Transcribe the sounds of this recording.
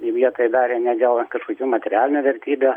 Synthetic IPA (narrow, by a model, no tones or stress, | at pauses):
ʋʲiɛt̪oːjd̪ɑːɾʲeːnʲæd̪ʲɛlˠkɐʃkokʲuːmɐt̪ʲɛɾʲɪæːlʲɪnʲʊʋʲɛɾʲt̪ʲiːbʲʊː